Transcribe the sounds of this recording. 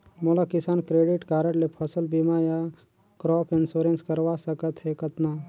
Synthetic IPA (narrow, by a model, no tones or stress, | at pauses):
molakɪsaːnkɾeːɖɪʈkaːɾəʈlepʰəsəlbiːmaja | kɾɔːpʰɪnsoɾẽnskəɾʋasəkət̪ɦɛkət̪na